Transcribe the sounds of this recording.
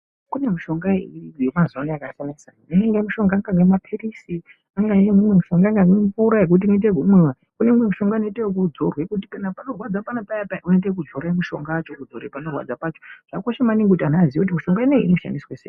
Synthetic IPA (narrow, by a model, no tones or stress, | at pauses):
kune̞muʃo̞ŋɡaijemazonaakasanasaneeŋɡemuʃo̞ŋɡaːŋɡaŋɡemapʰirisi | aŋɡajemumwe̞muʃo̞ŋɡaːŋɡaŋɡeɱvuɾaɦe̞k̬ut̬imit̬eɡʱumuwa | kunemwe̞muʃo̞ŋɡanoitekud͡zorwe̞kuti̥kanapano̞rwad͡zapanapajapauendek̬ud͡zoɾemuʃo̞̰ŋɡaːt͡ʃokud͡zoɾepano̞rwa̰d͡zapaːt͡ʃoʐ̥akoʃemaniŋɡekutanaziokut̬imiʃo̞ŋɡaineḭinoʃa̰ndisweseːi